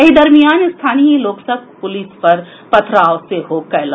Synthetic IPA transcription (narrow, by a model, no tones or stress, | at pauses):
ɐɦid̪ɐɾmijaːnst̪ʰaːniːloːksɐk̚pʊliːspɐɾ | pɐt̪ʰɾaːʋseɦokɐla